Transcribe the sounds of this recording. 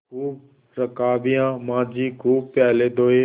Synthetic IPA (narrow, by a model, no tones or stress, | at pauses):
kuːb | ɾəkaːbijãːmãːd͡ʒiːɡɾuːpːjaːleːd̪oːɦeː